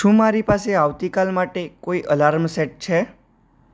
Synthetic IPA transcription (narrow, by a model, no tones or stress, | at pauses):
ʃũmaɾipaseaʋt̪ikalmaʈekoiʔəlaɾmseʈ̚t͡ʃʰe